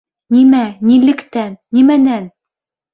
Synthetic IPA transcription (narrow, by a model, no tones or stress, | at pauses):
nimænilɘ̆kt̪ænːimænæn